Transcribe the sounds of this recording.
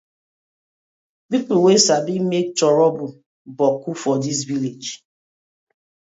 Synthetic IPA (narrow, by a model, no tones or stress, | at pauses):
pipuwesabimek̚tɔɹɔbu | bɔkufɔdis̬viled͡ʒ